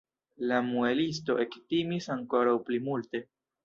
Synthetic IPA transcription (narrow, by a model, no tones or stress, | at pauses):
lamuelis̬to̞̰ʔe̞ktimisaŋko̞ɾawplimulte̞